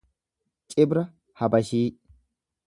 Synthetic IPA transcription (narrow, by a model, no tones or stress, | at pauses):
t͡ʃʼɪbɾɐ | hɐbɐʃiː